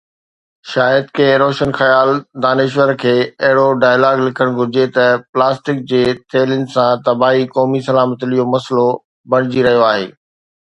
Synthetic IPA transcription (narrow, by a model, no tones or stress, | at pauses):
ʃaːjəd̪̚kẽːɾoːʃənxɐjaːld̪aːneːʃ̬ʋəɾkʰeːɐɦɪɽoɖaːjlaːɡlɪkʰəɽ̃ɡʱʊɾɪd͡ʑet̪ɐplaːsʈɪk̚d͡ʑeːt̪ʰeːlɪnɪ̆sãt̪ɐbaːɦikɔːmisɐlaːmət̪ɪlijomɐslo | bɐɽ̃ɪd͡ʑiɾɐɦijoaːɦḛː